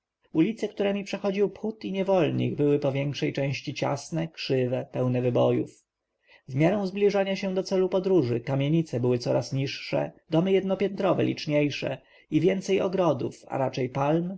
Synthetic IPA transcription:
ulʲit̪sɛkt̪uɾɛmʲipʂɛxɔd͡ʑiwpxut̪iɲɛvɔlɲḭɡbɘwɘpɔvʲjɛŋkʂɛjt͡ʂɛ̃w̃ɕt͡ɕit͡ɕa̰snɛkʂɘvɛpɛwnɛvɘbɔjuf | vmʲjaɾɔ̃w̃zblʲiʐaɲaɕɛ̃d̪ɔt̪sɛlupɔd̪ɾuʐɘkamʲjeɲit̪sɛbɘwɘt̪sɔɾasɲiʂːɛ̰d̪ɔmɘjɛd̪̚nɔpʲjɛnt̪ɾɔvɛ̰lʲḭt͡ʂɲejʂɛ̰ | ivʲjɛnt̪sɛjɔɡɾɔd̪ufa̰ɾat͡ʂɛjpalm

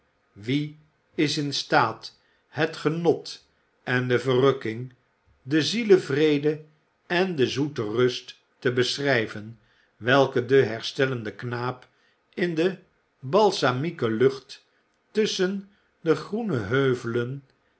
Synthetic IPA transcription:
ʋi | ɪsɪnstaːt | ɦətχənɔt | ɛndəvərɵkɪŋ | dəziləvrejdə | ɛndəzutərɵstː | əbəsrɛjvən | ʋɛlˠkədəɦɛɹstɛləndəknaːp | ɪndə | bɑlˠsamikəlɵχtː | ɵsən | dəχrunəɦøɥvələn

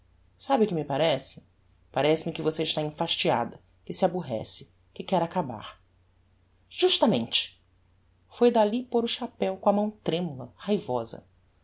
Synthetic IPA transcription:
sabɪʊkɪmɪpaɾɛsɪ̥ | paɾɛsɪmɪkɪvoseɪʃt̪aẽfaʃt͡ʃia̰d̪ɐ | kɪsɪabuɦɛ̰sɪ̥ | kɪkɛɾakaba̰χ | ʒ̥uʃt̪ɐmḛ̃nt͡ʃɪ̥ | fojd̪alipoɾʊʃapɛwkõɐmɐ̃w̃t̪ɾẽmulɐhajvɔzɐ̰

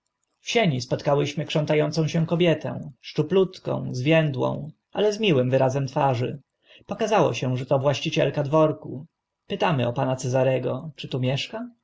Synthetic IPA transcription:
fɕeɲispɔt̪kawɘɕmɘkʂɔnt̪ajɔnt̪sɔ̃w̃ɕɛ̃kɔbʲjɛt̪ɛ̰̃ʂt͡ʂuplut̪kɔ̰̃w̃zvʲjɛnd̪wɔ̰̃w̃ | a̰lɛzmʲiwɘmvɘɾazɛmt̪faʐɘ | pɔkazawɔ̰ɕɛ̃ʐɛt̪ɔvwaɕt͡ɕit͡ɕɛ̰lkad̪vɔɾku | pɘt̪amɘɔpanat̪sɛzaɾɛɡɔt͡ʂɘt̪umʲjɛʂka

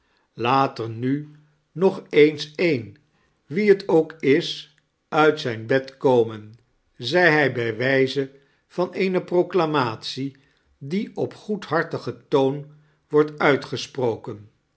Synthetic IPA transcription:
laːtəɹny | nɔχejnsejn | ʋiɦətʰowkɪs | œɥtsɛjnbɛtkowmən | zɛjɦɛjbɛjʋɛjzə | v̥ɑnejnəprowklamaːtsi | diɔpχutɦɑɹtəχətown | ʋɔɹtœɥtχəsprowkən

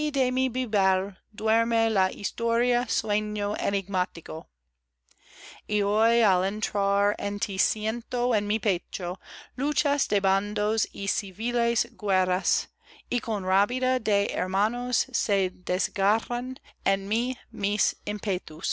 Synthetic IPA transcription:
idemibibɛl | d̪weɾmelaʔḭst̪oɾiasweɲoeniɡmat̪iko | iojalẽnt̪ɾaɾḛnt̪ʰisjẽnt̪oenmipet͡ʃolut͡ʃasd̪eband̪osisivilesɡweɾas | ikõnrapidadeḛɾmanosːed̪ezɡaranenmimisempet̪us

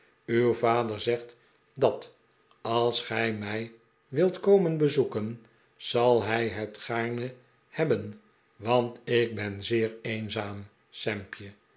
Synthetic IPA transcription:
ywvaːdəɹzɛχt | dɑt | ɑlˠsχɛjmɛj | ʋɪlˠtkowmənbəzukən | z̥ɑlˠɦɛjɦətχaːɹnə | hɛbən | ʋɑntɪk̚bɛnzɪːɹejnzaːm | sɛmpjə

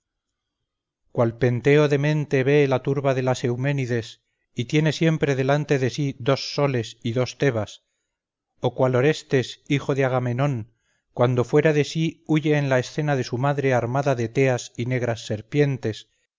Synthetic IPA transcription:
kwalpe̞nt̪e̞o̞ðe̞mẽ̞nt̪e̞βe̞lat̪uɾβaðe̞lase̞wme̞niðe̞s | it̪je̞ne̞sje̞mpɾe̞ðe̞lant̪e̞ðe̞siðo̞sːo̞le̞siðo̞st̪e̞βas | o̞kwalo̞ɾe̞st̪e̞sixo̞ðeaɣame̞no̞ŋ | kwand̪o̞fwe̞ɾaðe̞siuʝe̞ːnlaesθe̞naðe̞sumaðɾe̞aɾmaðaðet̪e̞asine̞ɣ̞ɾasːe̞ɾpje̞nt̪e̞s

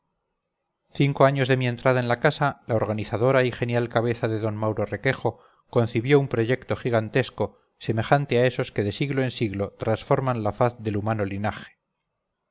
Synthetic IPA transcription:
θiŋko̞aɲo̞zðe̞mie̞nt̪ɾað̞ae̞nlakasalaoɾɣaniθað̞o̞ɾaixe̞njalkaβ̞e̞θaðe̞ðo̞nmawɾo̞re̞ke̞xo̞ | ko̞n̟θiβjo̞umpɾo̞ʝe̞kt̪o̞xiɣant̪esko̞ | se̞me̞xant̪eae̞so̞ske̞ðe̞siɣloensiɣlo̞t̪ɾansfo̞ɾmãnlafaθðe̞lumano̞linaxe̥

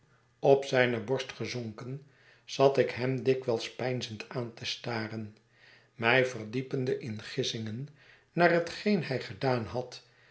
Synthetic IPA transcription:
ɔpsɛjnəbɔɹstχəzɔŋkən | z̥ɑt̪ɪkɦɛmdɪkʋɛlˠspɛjnzəntaːntəstaːrən | mɛjvərdipəndəʔɪnχɪsɪŋən | naːrɦətχejnɛjχədaːnɦɑt

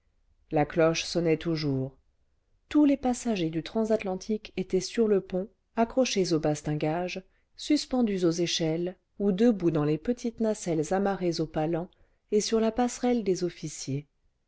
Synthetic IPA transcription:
laklɔʃsɔnɛt̪ʰuʒuːʁ | t̪ulepasaʒed̪yt̪χɑ̃zat̪lɑ̃t̪ʰiket̪ɛsyʁləpɔ̃ | akχɔʃezobast̪ɛ̃ɡaʒ | syspɑ̃d̪yzozeʃɛl | ud̪əbud̪ɑ̃lepət̪ʰit̪nasɛlzamaʁezopalɑ̃ | esyʁlapasχɛld̪ezɔfisje

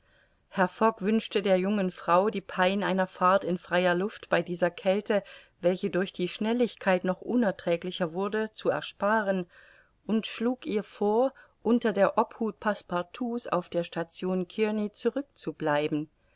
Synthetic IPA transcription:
hɛɐfɔkv̥ʏnʃtədeːɐjʊŋənfʁ̥aʊdiːpʰaɪnʔaɪnɐfaɐtɪnfʁ̥aɪɐlʊftb̥aɪdiːzɐkʰɛltə | vɛlçədʊɐçd̥iːʃnɛlɪçkʰaɪtnɔχʔʊnɛɐtʁ̥ɛːklɪçɐvʊɐdət͡suɛ̰ɐʃpaːʁən | ʔʊntʃluːkiːɐfoːɐʔʊntɐdeːɐʔɔphuːt̚pʰaspaɐtʰuːsa̰ʊfd̥eːɐʃtat͡sjoːnkʰɪɐnit͡suʁʏk̚t͡sublaɪbm̩

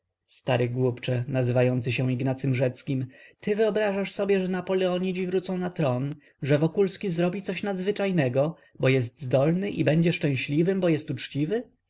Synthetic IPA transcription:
st̪aɾɘɡwupt͡ʂɛnazɘvajɔnt̪sɘɕɛ̃iɡnat̪sɘmʐɛt̪skʲimt̪ɘvɘɔbɾaʐaʂsɔbʲjɛʐɛnapɔlɛɔɲid͡ʑivɾut̪sɔ̃w̃nat̪ɾɔn | ʐɛvɔkulskʲizɾɔbʲit̪sɔɕnad̪zvɘt͡ʂajnɛɡɔ | bɔjɛst̪zd̪ɔlnɘʔibɛɲd͡ʑɛʂt͡ʂɛ̃w̃ɕlʲivɘmbɔjɛst̪ut͡ʂt͡ɕivɘ

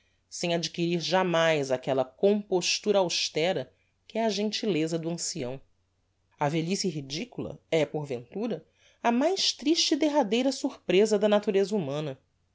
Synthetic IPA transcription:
sẽj̃ad͡ʒikiɾiɾʒamajzakɛlɐkõmpoʃt̪uɾɐawʃt̪ɛɾɐ | kɪɛɐʒẽnt͡ʃilezɐd̪ʊɐ̃siɐ̃w̃ | ɐveʎisiɦid͡ʒikulɐ̰ɛpoɾvḛ̃nt̪uɾɐ | ɐmajʃt̪ɾiʃt͡ʃid̪eɦad̪ejɾɐsuɾpɾezɐd̪ɐnat̪uɾezɐumɐ̃nɐ

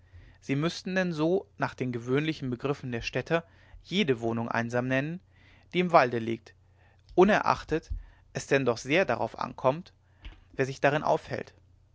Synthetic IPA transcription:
z̥iːmʏstn̩dɛnzoːnaːχd̥eːnɡəvøːnlɪçn̩bəɡʁɪfn̩deːɐʃtɛtʰɐ | jeːdəvoːnʊŋʔa̰ɪnzaːmnɛnən | d̥iːɪmvaldəlḭːk̚t | ʔʊnɛɐʔa̰χtət | ʔɛsd̥ɛndɔχz̥eːɐda̰ʁa̰ʊfʔa̰nkʰɔmt | v̥eːɐzɪçd̥aʁɪnʔa̰ʊfhɛ̰lt

